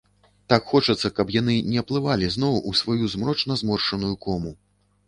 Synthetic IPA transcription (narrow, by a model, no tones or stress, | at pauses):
t̪akxɔt͡ʂɐt̪sːɐkɐpjan̪ɨnʲɛɐplˠɨvalʲizn̪ɔwʔusvajuzmɾɔt͡ʂnɐzmɔrʂɐnujukɔmu